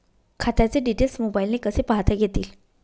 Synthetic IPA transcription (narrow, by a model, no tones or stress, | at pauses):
kʰat̪at͡seɖiʈelsmobailnekəsepaɦt̪aɡʱet̪iːl